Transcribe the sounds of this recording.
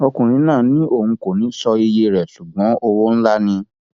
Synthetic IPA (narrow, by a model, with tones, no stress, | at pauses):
ɔ˧kũ˨ɾ̃ĩ˨˦nãː˦˨nĩ˨˦ʔo˦˨hũ˨˧ko˨nĩ˨˦sɔ˧i˧je˧ɾɛ˨ʃu˨ɡ͡bɔ̃˨˦o˧wo˦n̩˦la˦nĩ˧